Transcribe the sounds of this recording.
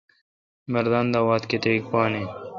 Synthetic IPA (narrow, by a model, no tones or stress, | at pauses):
mɐɾd̪and̪awaːt̪ket̪eːkpaːne